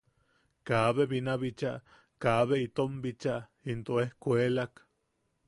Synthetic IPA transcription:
kaːβeβinaβit͡ʃaʔ | kaβeit̪ombit͡ʃaʔint̪oehkʷelak

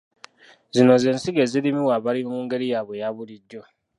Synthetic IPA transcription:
zinozen̩siɡeziɾimiwaβaɾioŋuːŋɡeɾijaβwejaβuɾiɟːo

